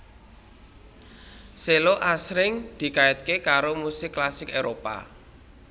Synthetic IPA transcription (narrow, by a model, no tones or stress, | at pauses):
seloʔasɾɪŋd̪̥i̤kaɪt̪̚kekaɾomusɪkːlasɪkeɾopa̰